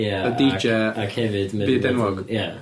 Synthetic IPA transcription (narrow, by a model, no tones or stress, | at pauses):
jaədid͡ʒɛakʰhɛvɨdmɛbiːdɛnɔɡja